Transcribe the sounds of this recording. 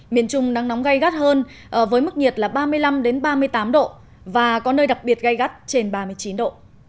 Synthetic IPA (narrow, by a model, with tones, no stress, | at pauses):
mḭ˧˨ənt͡ɕʊ˧ŋ͡mna˧ŋnɔ˨˦wŋ͡mɣa˧jɣa˦˥t̚həː˧n | ʔəː˧˩vəː˨˦jmɨ˦˥k̚ɲi˨˩ət̚laː˨˩ɓaː˧mɨ˧əjla˧mɗe˨˦nɓaː˧mɨ˧əjt̪aː˨˦mɗo̰˧˨ | vaː˨˩kɔ˨˦nəː˧jɗa˨˩k̚ɓi˨˩ət̚ɣa˧jɣa˦˥t̚t͡ɕe˧nɓaː˧mɨ˧əjt͡ɕi˨˦nɗo̰˧˨